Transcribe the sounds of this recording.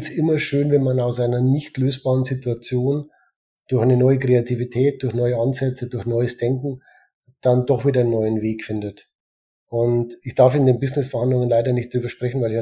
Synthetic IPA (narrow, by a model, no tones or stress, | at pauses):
sʔɪmɐʃøːnvɛnmanaʊsʔaɪnɐnɪçtløːsb̥aːʁənzɪtuat͡sjoːn | d̥ʊɐçʔaɪnənɔʏəkʁ̥eatʰivitʰɛːt̚d̥ʊɐçnɔʏəanzɛt͡sədʊɐçnɔʏəsd̥ɛŋkŋ̩ | d̥andɔχv̥iːdɐnːɔʏənveːkfɪndət | ʔʊntɪçd̥aɐfɪndeːnbɪznɪsfɛɐhandlʊŋənlaɪdɐnɪçt̚d̥ʁyːbɐʃpʁ̥ɛçn̩vaɪlɪç